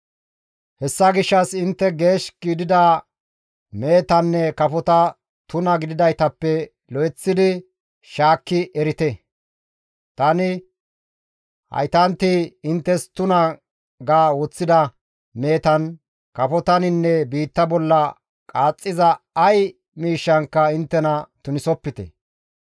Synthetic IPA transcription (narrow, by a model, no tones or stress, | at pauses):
hɛsːɐɡɪʃːɐsɪnt̪ːɛɡe̞ːʃɡiːd̪ɪd̪a | me̞ːt̪ɐnːɛkɐfɔt̪ɐ | t̪ʊnɐɡɪd̪ɪd̪ɐjt̪ɐpːɛ | lɔjɛt͡sːɪd̪ɪ | ʃaːkːɪʔɛɾɪt̪ɛ | t̪ɐnɪ | hɐ̰jt̪ɐnt̪ɪɪnt̪ːɛst̪ʊnɐ | ɡaːwot͡sːɪd̪ɐ | meːt̪ɐn | kɐfɔt̪ɐnɪnːɛbiːt̪ːɐbɔlːɐ | kʼaːt͡sʼːɪzɐ | ɐj | miːʃːɐŋkːɐɪnt̪ːɛnɐt̪ʊnɪsɔpːɪt̪ɛ̰